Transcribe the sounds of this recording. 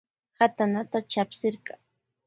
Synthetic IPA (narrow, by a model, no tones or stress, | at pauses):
hat̪anat̪at͡ʃapsɪɾka